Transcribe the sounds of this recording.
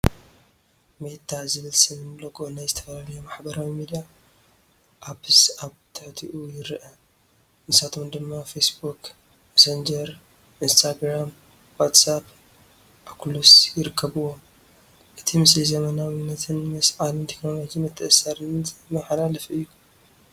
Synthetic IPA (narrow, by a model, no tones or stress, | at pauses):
met̪ʰːazɨβɨlsɨnɨnloɡonajzɨt̪ʰɐ̥fɐlalɐjomaħbɐɾawimid̪ija | ʔaβhɨsʔaβt̪ʰɨħt̪ʰiʔujɪɾʔɐ | nɨsat̪ʰo̞md̪ɨmːafesbuk | mɐsɐnd͡ʒɐɾ | ʔinst̪ʰaɡɾam | wat̪sap̚ | ʔakʰulusjɪɾɨkʰːɐβɨwo | ʔɨt̪ʰimɨslizɐmɐnawɨnːɐt̪ʰɨnmɐsʕalɨnt̪ʰekno̞lo̞d͡ʒimɐt̪ʰːɨʔɨsɐɾɨnzmɐħalalɐfʔɨjːu